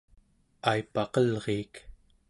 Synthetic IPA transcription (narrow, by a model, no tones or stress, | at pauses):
aipɑqʌlʁeːk